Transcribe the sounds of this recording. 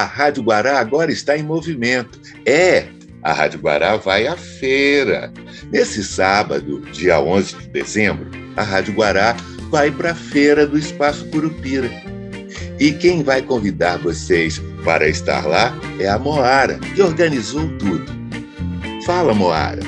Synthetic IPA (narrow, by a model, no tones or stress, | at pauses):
ɐhad͡ʒʊɡwaɾaːɡɔɾɐɪst̪aẽj̃movimẽnt̪ʊ̥ | ɛ | ɐ̰ha̰d͡ʒʊɡwa̰ɾavajafejɾɐ̰ | nesɪsabɐ̰d̪ʊd͡ʒiɐ̰õzɪd͡ʒɪd̪ḛzẽbɾʊ | ɐɦad͡ʒʊɡwaɾa | vajpɾɐfejɾɐd̪ʊɪspasʊ̥puɾupiɾɐ | ɪkẽj̃vajkõvid̪aɾvosejs | pa̰ɾɐɪst̪a̰ɾlaɛɐmoaɾɐ̰kɪoɾɡɐ̃nizowt̪ud̪ʊ | falɐmoa̰ɾɐ̰